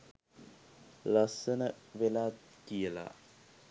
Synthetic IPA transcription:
lasənəʋelaːkijəla̰

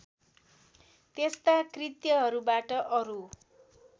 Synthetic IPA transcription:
t̪est̪akrit̪jʌɦʌɾubaʈʌʔʌɾu

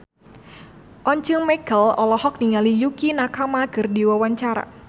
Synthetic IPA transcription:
ʔɔɲt͡ʃəŋmɛkəlɔlɔhɔk̚niŋalijukinakamaɡɨrdiwawaɲt͡ʃaɾa̰

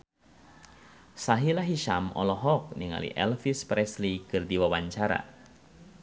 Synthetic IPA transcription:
saɦilaɦiʃamɔ̰lɔɦɔk̚niŋa̰lḭʔɛlfispɾɛslikɨrdiwawaɲt͡ʃaɾa̰

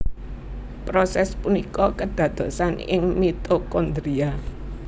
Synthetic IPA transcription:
pɾosɛspunikɔkəɖ̪̥ä̤d̪̥ɔ̤sanɪ̰ŋmit̪okond̪ɾia

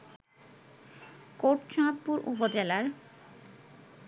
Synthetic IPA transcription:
koʈt͡ɕãt̪̚puɾʔṵpod͡ʑelaɾ

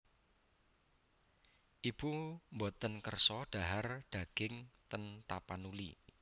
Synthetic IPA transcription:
ʔib̥umbot̪ənkərsɔɖ̪̥a̤ɦarɖ̪̥a̤ɡ̥ɪŋt̪ənt̪apanulḭ

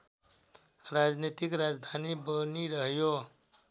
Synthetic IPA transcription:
ɾad͡znit̪ikɾad͡zd̪ʱanibʌniɾʌɦjo

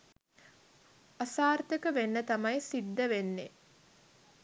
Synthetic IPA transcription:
asaːrt̪əkəʋenːət̪amɐjsiɖ̪ːəʋenːe

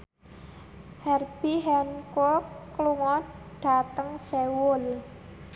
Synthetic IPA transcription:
hɛrb̥iɦɛnkokluŋɔ | ɖ̥a̤t̪əŋsewʊl

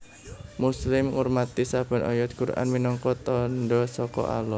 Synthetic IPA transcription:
muslɪmŋurmat̪isab̥ə̤nɔ̰jɔt̪̚kuɾʔa̰nminɔŋkɔt̪ɔnɖɔsɔkɔ̰ʔa̰lɔ

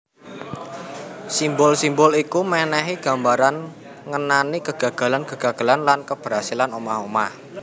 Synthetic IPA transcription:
simbɔlsimbʊlikumɛnɛɦiɡ̥a̤mbaɾan | ŋənanikəɡ̥ä̤ɡ̥ä̤lankəɡ̥a̤ɡ̥ə̤lanlankəb̥əɾɦasilanomahomah

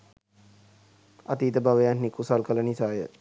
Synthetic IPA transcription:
a̰t̪iːt̪əbaʋəjannikusalkələnisaːjə̰

